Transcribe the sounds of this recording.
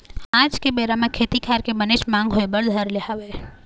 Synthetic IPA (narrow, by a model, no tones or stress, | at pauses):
ãd͡ʒkebeɾamãkʰet̪ikʰaɾkebəneʃmãŋɡɦojbəɭd̪ʱəɾleɦaʋe